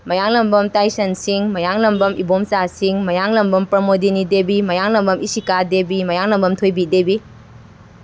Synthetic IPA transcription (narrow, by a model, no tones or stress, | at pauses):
mɐjaŋlɐmbɐmtajsɐnsiŋmɐjaŋlɐmbɐmibomsasiŋmɐjaŋlɐmbɐmpɾɐmodinidebimɐjaŋlɐmbɐmisikadebimɐjaŋlɐmbɐmtʰojbidebi